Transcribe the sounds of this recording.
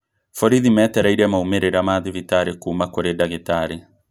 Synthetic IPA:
fɔɾiðimɛtɛɾaiɾɛmaumeɾeɾamaðivitaɾekuːmakoɾedaɣetaɾe

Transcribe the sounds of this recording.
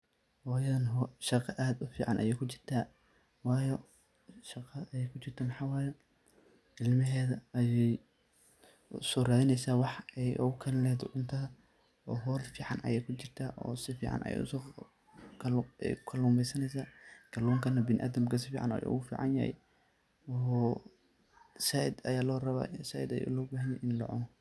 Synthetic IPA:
wɑːjɐðɐnɦɔʃɑqɑʔaːd̪ʊfiːʕɑnʔɐ̰jɛjkʰʊt͡ʃɪrt̪ʰaː | wɑːjɔ | ʃɐqɑɐjɛjkʰʊt͡ʃɪrt̪ʰɐmɑħɑːwɑːjɛ̥ | ɪlmɪɦɛːðɐjɛj | sɔːraːðɪnɛjsaːwɑħɛjʔʊɣʊkʰɐlɪlɛt̪ʰɔʕʊnt̪ʰɐɐ | ɔːɦɔːlfiːʕɑ̰nʔɐ̰jɛjkʰʊt͡ʃɪrt̪ʰaːʔɔ̰ːsɪfḭːʕɑ̰nʔɐ̰jɛ̰ʊ̰s | kʰɛ̰jkʰɐluːmɛjsɐnɛjsaːɡ̥ɐluːŋkʰɐnɐbɪnɪʔa̰ːd̪ɐmkʰɐsɪfiːʕɑ̰nɐ̰jɛ̰ʔʊ̰ɣʊfḭːʕɑ̰nja̰hɛ̰j | ɔː | saːʔɪd̪ɐ̰jaːlɔːrɐβa̰ːsaːʔɪ̰d̪ɐ̰jɛ̰lɔːbaːɦɐnjɛjʔɪnlɔ̰ʕʊ̰nɔ

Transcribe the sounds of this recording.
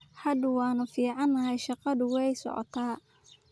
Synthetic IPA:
ħɐd̪ʊwɑːnɐfiːʕɑnːɐhɛjʃɑqɑðʊwɛjsɔ̰ʕɔ̰t̪ʰaː

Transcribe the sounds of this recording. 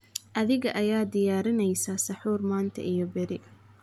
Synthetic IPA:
ʔɐðɪɣɐʔɐjaːd̪ɪjaːɾɪnɛjsaːsɐħuːrmaːnt̪ʰɐ̰ʔijɔbɛɾɪ

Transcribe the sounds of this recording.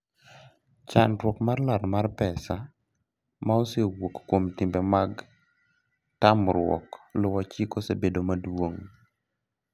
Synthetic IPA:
t͡ʃanɾwɔkmarlaɾmarpɛsa | maosewokːwomtɪmbɛmaɡ | tamɾwɔ̰klʊwat͡ʃikosebedomadwoŋ

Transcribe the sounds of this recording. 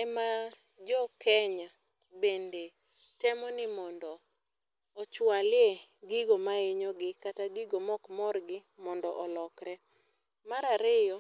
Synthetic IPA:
ɛma | d͡ʒɔkɛɲa | bende | tɛmɔnɪmɔndɔ | ɔt͡ʃwalɪeɡɪɡomaɪɲɔɡɪkataɡɪɡomɔkmɔrɡɪ | mɔndɔʔɔlɔkɾɛ | maɾaɾɪjɔ

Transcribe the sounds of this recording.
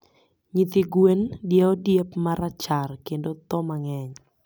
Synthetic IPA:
ɲit̪ɪɡwendjeodjepmaɾat͡ʃarkendot̪ɔmaŋɛɲ

